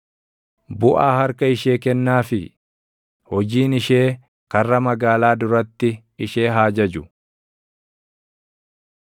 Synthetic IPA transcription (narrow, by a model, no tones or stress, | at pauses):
bʊʔaːhɐɾkɐɪʃe̞ːkɛnːaːfɪ | hɔd͡ʒiːnɪʃe̞ː | kɐrːɐmɐɡaːlaːd̪ʊɾɐt̪ːɪ | ɪʃe̞ːɦaːd͡ʒɐd͡ʒʊ